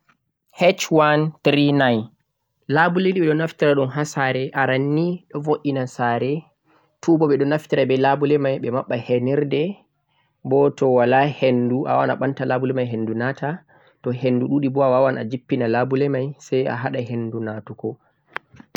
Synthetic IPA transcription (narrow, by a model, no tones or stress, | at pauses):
hɛt͡ʃwantɾinaj | labulediɓɛɗɔnaftiɾaɗɔnɦasaɾɛʔaɾanːiɗɔvoʔinasaɾɛ | tʰubɔɓɛɗɔnaftiɾabɛlabulɛmajɓɛmaɓːahɛnɛɾdɛ | bɔtɔwalahenduʔa̰wa̰na̰ɓantalabulɛmajɦendunata | tɔhenːduɗuɗibɔawawana̰d͡ʒipːinalabulɛmajsaja̰ɦaɗaɦendunatukɔ